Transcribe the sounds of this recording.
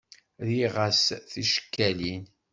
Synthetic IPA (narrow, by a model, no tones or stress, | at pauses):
ðiʁasθiʃə̥kːælin